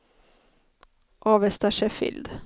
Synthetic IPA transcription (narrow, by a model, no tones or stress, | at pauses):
ʔɑːʋɛst̪aʂɛfɪ̰ld̪